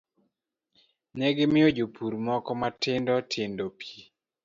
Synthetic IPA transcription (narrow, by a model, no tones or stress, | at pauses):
nɛɡemɪod͡ʒopʰuɾmɔkɔmatɪndɔtʰɪndɔpʰi